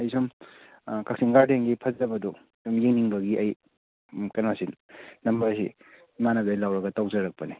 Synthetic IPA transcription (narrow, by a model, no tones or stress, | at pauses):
ɐjsum | kʰɐk̚siŋɡaɾdeŋɡipʰɐd͡ʒɐbɐdu | sumjeŋniŋbɐɡiʔɐj | kɐnmasinnɐmbɐɾsḭ | manɐbalawɾɐɡɐtawzɐɾɐk̚pɐni